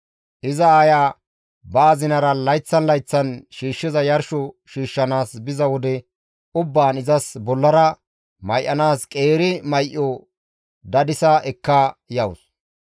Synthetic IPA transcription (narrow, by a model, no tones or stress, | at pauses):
ʔɪzɐaːjaː | bɐːzɪnɐɾɐlɐjt͡sːɐnlɐjt͡sːɐnʃiːʃːɪzɐjɐɾʃɔ | ʃiːʃːɐnaːsbɪzɐwɔd̪ɛ | ʊbːaːnɪzɐsbɔlːɐɾɐ | mɐjʔːɐnaːskʼeːɾɪmɐjʔːɔ | d̪ɐd̪ɪsɐʔɛkːɐjɐwʊs